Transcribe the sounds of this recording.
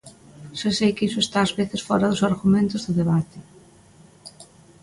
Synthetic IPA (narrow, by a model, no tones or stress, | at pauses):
sesejkisʊest̪aːzβeθɪsfɔɾaðʊsaɾɣumẽnt̪ʊzðʊðeβat̪ɪ